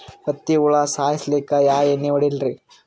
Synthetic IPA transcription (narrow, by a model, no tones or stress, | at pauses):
pɐt̪ːiuɭasaːjislikːajaːenːiʋɐɽilɾi